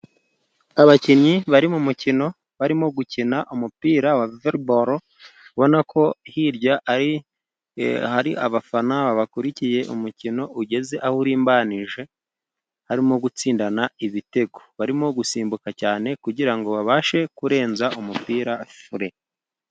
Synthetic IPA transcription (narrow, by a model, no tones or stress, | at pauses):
aβaciɲiβaɾimumucino̞ | βaɾimo̞ɡucinaʔumupiːɾawaveɾboɾo | βo̞nakʰo̞hiɾɟaaɾi | haɾiʔa̰βafanaβaβakuɾicije̞ʔumucino̞ʔuɟe̞ze̞ʔahuɾiːmbaːniʒe̞ | haɾimoɡut͡siːndanaiβite̞ɡo̞̥βaɾimoɡusiːmbukacaːne̞kuɟiɾaŋɡo̞βaβaʃe̞kuɾe̞ːnzaʔumupiːɾafuɾe̞